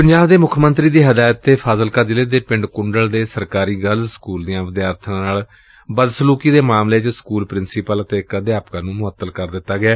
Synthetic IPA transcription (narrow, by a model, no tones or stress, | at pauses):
pəɲd͡ʒaːbd̪eːmʊkʰmənt̪ɾiːd̪iːɦəd̪aːjt̪ːeːpʰaːzəlkad͡ʒɪleːd̪eːpɪɳɖkʊɳɖəld̪eːsəɾkaːɾiːɡəlzsə̥kuːld̪ijãːʋəd̪jaːɾt̪ʰãːnaːl | bəd̪sluːkiːd̪eːmaːmleːt͡ʃskuːlpɾɪnsiːpələt̪eːkəd̪jaːpkãːnũːmʊət̪ːəlkəɾd̪ɪt̪ːaːɡɪɛː